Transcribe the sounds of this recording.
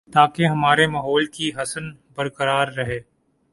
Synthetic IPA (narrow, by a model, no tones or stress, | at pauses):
t̪aːkeɦɐmaːɾemɐɦɔːlkiɦɐsənbɐɾkəɾaːɾːɐɦeː